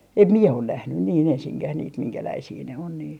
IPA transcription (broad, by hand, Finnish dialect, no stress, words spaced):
em miɛ on næhnyn niːn ensiŋkæh niːt miŋkælæisiː ne on niːn